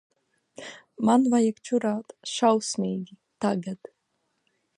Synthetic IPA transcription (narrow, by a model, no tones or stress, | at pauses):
manvajakt͡ʃuɾaːt̪ʃawsmʲijɡʲi | t̪aɡat̪